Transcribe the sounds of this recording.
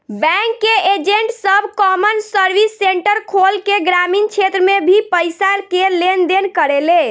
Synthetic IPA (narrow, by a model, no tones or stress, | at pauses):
bɛ̃ŋkːeʔed͡ʒeɳʈsəbʱkɔmənsəɾbisːeɳʈəɾkʰolkeɡɾamint͡ʃʰet̪ɾəmebʱipəjsaɾkelend̪enkəɾele